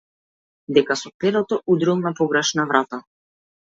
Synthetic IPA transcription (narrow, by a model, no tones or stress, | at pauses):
d̪ɛkasɔpɛɾɔt̪ɔud̪ɾilˠnapɔɡɾɛʃnavɾat̪a